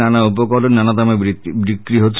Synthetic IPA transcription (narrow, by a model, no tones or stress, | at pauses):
anaupɔkɔlɔnanat̪amabɾikɾiɦot̪ʰ